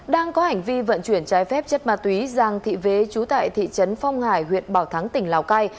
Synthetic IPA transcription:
ɗaː˧ŋkɔ˨˦ha˨˩jŋ̟vi˧və̰˧˨nt͡ɕwi˧˩ənt͡ɕaː˨˦jfɛ˦˥p̚t͡ɕə˦˥t̚maː˨˩t̪wi˨˦za˨˩ŋt̪ʰḭ˧˨ve˨˦t͡ɕu˨˦t̪a̰ː˧˨jt̪ʰḭ˧˨t͡ɕə˨˦nfa˧wŋ͡mhaː˧˩jhwḭ˧˨ənɓaː˧˩wt̪ʰa˨˦ŋt̪ï˧˩ŋ̟laː˨˩wka˧j

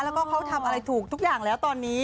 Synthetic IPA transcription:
lɛ˦˥wkɔː˥˩kʰa˦˥wt̪ʰa˧mʔa˧ɾa˧jt̪ʰuː˨˩k̚t̪u˥k̚jaː˨˩ŋlɛː˦˥wt̪ɔː˧nːiː˦˥

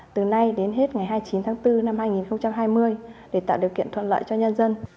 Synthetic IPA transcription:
t̪ɨ˨˩na˧jɗe˨˦nɦe˦˥t̚ŋa˨˩jɦaː˧jt͡ɕi˨˦nt̪ʰaː˨˦ŋt̪ɨ˧na˧mhaː˧jŋi˨˩nxə˧wŋ͡mt͡ɕa˧mɦaː˧jmɨ˧əjɗe˧˩t̪a̰ː˧˨ɗi˨˩əwkḭ˧ənt̪ʰwə̰˧˨nlə̰ː˧˨jt͡ɕɔ˧ɲə˧nzə˧n

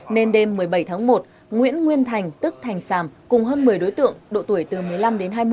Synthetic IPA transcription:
ne˧nɗe˧mːɨ˨˩əjɓə˧˩jt̪ʰaː˨˦ŋmo˨˩t̚ | ŋwḭ˧˥ənŋwi˧ənt̪ʰa˨˩jŋ̟t̪ɨ˦˥k̚t̪ʰa˨˩jŋ̟saː˧˩mkʊ˨˩ŋ͡mɦəː˧nmɨ˨˩əjɗo˨˦jt̪ɨ̰˧˨əŋɗo̰˧˨t̪u˧˩əjt̪ɨ˨˩mɨ˨˩əjla˧mɗe˨˦nɦaː˧jm˧

